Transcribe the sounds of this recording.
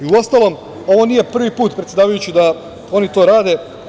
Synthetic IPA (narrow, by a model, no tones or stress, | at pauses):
iuo̞st̪alo̞m | o̞ʋo̞niːje̞pr̩ʋipuːt̪pɾet̪jed̪aːʋajut͡ɕid̪a | o̞nit̪o̞ːɾaːd̪e̞